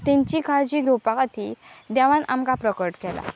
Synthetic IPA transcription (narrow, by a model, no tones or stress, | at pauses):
t̪ɛ̃ɲt͡ɕikʰad͡ʑiːɡ̪opakat̪ʰiːd̪aʋãna̰mkapɾəkəʈkɛla̰